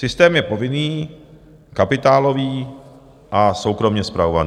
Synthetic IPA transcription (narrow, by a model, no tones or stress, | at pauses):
sɪst̪ɛːmjɛpo̞vɪniː | kapɪt̪aːlo̞viː | ʔaso̞wkɾo̞mɲɛspɾaova̰nː